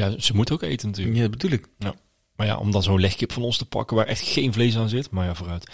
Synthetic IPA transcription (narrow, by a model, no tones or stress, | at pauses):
jaz̥əmutowkḛjtənət̬yːjabəduləkja | maja̰ʔɔ̰mdɑnzownlɛxkɪpfɑnɔnstəpɑ̰kəʋaːɹɛ̰xtxejnvlejs̬aːnzɪtmaːɹjaːvoːrœɥt